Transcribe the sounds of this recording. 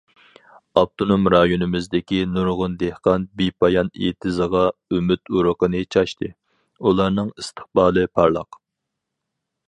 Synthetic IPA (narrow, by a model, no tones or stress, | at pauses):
ɑp̚t̪ʰonomɾɑjonɨmɪzd̪ɪkʲinuɾʁʊnd̪ehqɑnbipʰɑjɑnḛt̪ʰɨzəʁɑymyt̪uɾəqənɨt͡ʃʰɑʃt̪ʰɨ | ulˠɑɾnɨŋɨst̪ʰə̥χbɑːlˠɨpʰɑɾlˠɑ̰q